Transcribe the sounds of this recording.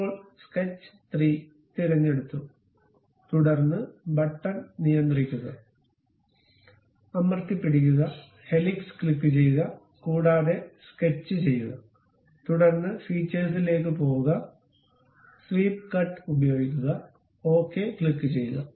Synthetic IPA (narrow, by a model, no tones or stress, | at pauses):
poːɭsket͡ɕːɨ̥t̪riː | t̪iɾɐɲːe̞ɽut̪ːu | t̪uɽɐrnːɨbɐʈːɐnnijɐnd̪rikʲːuɣɐ | ɐmɐrt̪ːipːiɽik̬ʲːuɣɐ | he̞likskɭikːɨt͡ɕe̞jɣɐ | kuːɽaːðe̞sket͡ɕːɨt͡ɕe̞jːuɣɐ | t̪uɽɐrnːɨsiːt͡ɕːeːs̬ile̞ːkːɨpo̞ːuɣɐ | sliːpkɐʈːɨubɐjo̞ːɡikʲːuɣɐ | o̞ːkːe̞ːkɭikːɨt͡ɕe̞jːuɣɐ